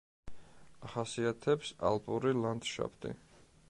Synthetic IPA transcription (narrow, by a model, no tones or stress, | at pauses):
aχasiat̪ʰɛpsa̰lˠpʼuɾiland̪ʃa̰pʰt̪ʼḭ